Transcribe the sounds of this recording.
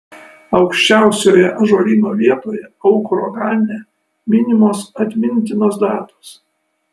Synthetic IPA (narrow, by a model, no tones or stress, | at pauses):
ɒʊkʃʲt͡ʃʲæˑʊsʲoːjɛʔɐʒoːlʲiːnoːʋʲiɛt̪oːjɛɔʊkɾoːɡɑːˑlʲnʲɛ | mʲɪnʲɪmoːsɐt̪ʲmʲɪnʲt̪ʲɪnoːsd̪ɑːt̪oːs